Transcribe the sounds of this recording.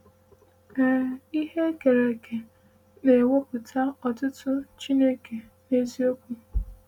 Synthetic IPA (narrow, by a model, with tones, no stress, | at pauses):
ɛ˨i˦ɦe˦ke˨ɾe˨kʰe˨ | ne˨wo˦pʊ˨tʰa˦ɔ˨tʊ˦tʊ˦t͡ʃi˦ne˦kʰe˨ | ne˦zi˦o˦kʷu˦